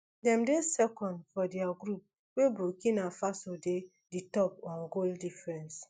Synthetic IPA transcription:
dɛ̃mdesɛkɔ̃ndfɔdɛaɡɾup̚ | webɹokĩnafasode | ditɔpɔ̃nɡoldifɹɛ̃ns

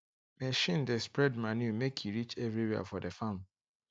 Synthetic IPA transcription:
meʃĩndespɹɛdmanjumekʰjuɾit͡ʃɛvɾiɾia̰fɔdefãm

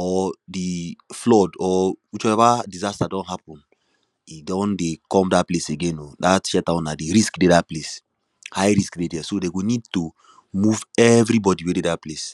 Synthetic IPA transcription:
ɔdiflɔdɔwit͡ʃɔɛvadizastadɔ̃nɦapɔ̃n | idɔ̃ndekɔ̃mdapleseɡẽnodatʃatãʊ̃nːadiɹiskdedaples | hajɹiskdedɛsodeɡonid̚tu | muvɛvɹibɔdiwededat̚ples

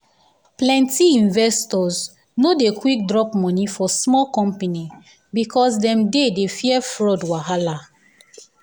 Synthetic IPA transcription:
plɛ̃ntiĩnvɛstɔz | nodekwik̚dɹɔpmɔ̃nifɔsmɔkɔ̃mpani | bikʰɔsdɛ̃mdedefjɛfɹɔdwaɦala

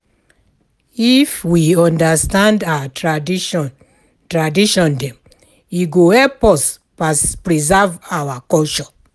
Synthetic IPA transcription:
ifwiɔ̃ndastãndawa | tɹadiʃɔ̃ndɛ̃m | iɡohɛlpɔs | aspɹizavawakɔlt͡ʃɔ̃

